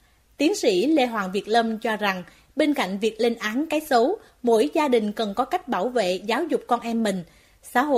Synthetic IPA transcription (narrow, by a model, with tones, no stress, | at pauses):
t̪i˨˦ənsḭ˧˥le˧ɦwa̰ː˨˩nvi˨˩ət̚lə˧mt͡ɕɔ˧za˨˩ŋ | ɓe˧nka̰˧˨jŋ̟vi˨˩ək̚le˧nʔaː˨˦nkaː˨˦jsə˨˦w | mo̰˧˥jzaː˧ɗï˨˩ŋ̟kə˨˩nkɔ˨˦ka˦˥jk̟̚ɓaː˧˩wvḛ˧˨zaː˨˦wzʊ˨˩k͡p̚kɔ˧nʔɛ˧mːï˨˩ŋ̟ | sa̰ː˧˥ɦo̰˧˨